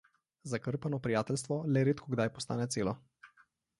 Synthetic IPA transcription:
zakəɾpanɔpɾijaːt̪ɛlst̪ʋɔlɛɾeːt̪kʰɔɡd̪ajpɔst̪aːnɛt̪seːlɔ

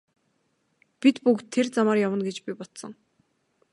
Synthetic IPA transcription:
pit̪pukt̪ʰːert͡samaːrjawə̆nɡet͡ɕpipɔt̪sɞ̆ŋ

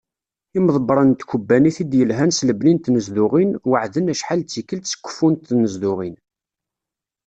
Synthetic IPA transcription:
imðˤəbɾˤənt̪kubːæniθid̪jəlɦænsləbnint̪nəzðʊʁinwəʕðənæʃħalt͡sːikːəlt̪sə̥kʷːə̥fːunt̪nəzðʊʁin

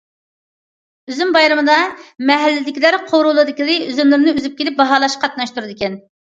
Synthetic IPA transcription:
yzymbɑjɾɨmɨd̪ɑmɛɦɛlːɪd̪ɪkʲilæɾqʰoɾulˠɨd̪ɪkʲiɨyzymlyɾnɪyzyp̚kʲelɪp̚bɑɦɑːlˠɑʃqʰɑt̪̚nɑʃt̪uɾɨd̪ɪkʲɛn

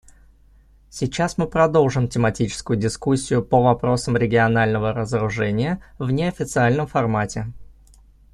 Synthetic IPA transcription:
sʲɪt͡ɕːasmɨpɾɐd̪o̞lˠʐɨmtʲɪmɐtʲit͡ɕɪ̥skʊjʊdʲɪskusʲːɪjʊpəvɐpɾo̞səmɾʲɪɡʲɪɐnalʲnəvəɾəzəɾʊʐɛnʲɪjəvnʲɪɐfʲɪt̪sɨalʲnəmfɐrmatʲɪ

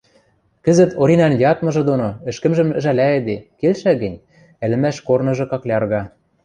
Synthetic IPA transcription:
kɘ̆zə̆t̪ʰoɾʲinɑnjɑt̪mɤ̆ʒɤ̆d̪onoɘ̆ʃkɘ̆mʒɘ̆m̆ʒælæĕd̪ekelʃæɡɘ̆nʲ | ælɘ̆mæʃkornɤ̆ʒɤ̆kɑklʲɑrɣɑ

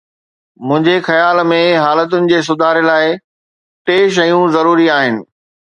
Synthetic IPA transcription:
mʊ̃ɦɪ̃ɲd͡ʑexɐjaːlmẽɦaːlət̪̬ʊnɪ̆d͡ʑeːs̬ʊd̪ʱaːɾlaːɪ | ʈeːʃ̬ɐjũzɐɾuːɾiaːɦɪnɪ̆

